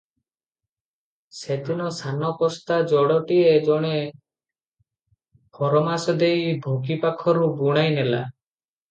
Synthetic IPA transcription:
sed̪inɔsʰanɔpɔst̪ad͡ʒɔɽɔʈied͡ʒɔɽ̃e | pʰɔɾɔmasɔd̪ejbʱoɡipakʰɔɾubuɽ̃ajnela̰

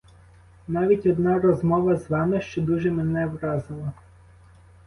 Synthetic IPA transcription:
nɑʋʲitʲɔd̪nɑɾɔzmɔʋɐzʋɑmɪʃt͡ʃɔd̪uʒɛmenɛʋɾɑzɪlˠɐ

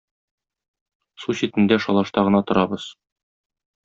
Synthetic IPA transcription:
suɕit̪ɘ̆nd̪æʃɒlˠɑʃt̪ɑʁɤ̆nɑt̪ŏɾɑbɤz̥

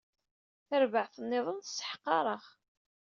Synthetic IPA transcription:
θəɾvəʕθənːɪðˤənθsːə̥ħqːɑɾˤəʁ

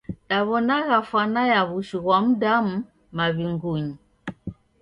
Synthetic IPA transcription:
ɗaβɔnaɣafanajaβuʃiɣwam̩dam̩ | maβiŋɡuɲi

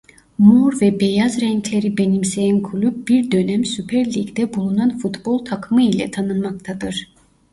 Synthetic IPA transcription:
muɾvɛbejazɾɛŋcʰlʲe̞ɾibe̞nimsejænkʰulʲyb̚biɾd̪ø̞næmsypʰæɾlʲiɡd̪ɛbulˠunanfut̪bolˠt̪ʰakʰɯmɯilʲɛt̪ʰanɯnmakt̪ʰad̪ɯɾ̥

